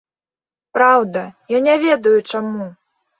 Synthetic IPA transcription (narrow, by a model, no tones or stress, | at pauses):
pɾawd̪ɐjanʲavʲɛd̪ɐjut͡ʂamu